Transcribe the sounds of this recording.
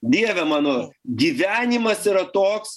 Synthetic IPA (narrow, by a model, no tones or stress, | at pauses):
d̪ʲiɛʋʲɛmɑːnoːɡʲiːʋʲæːnʲɪmɐsiːɾɐt̪oːks